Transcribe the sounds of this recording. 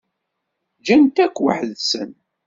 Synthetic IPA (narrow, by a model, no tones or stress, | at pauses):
d͡ʒænt̪ækʷːwə̰ħðsən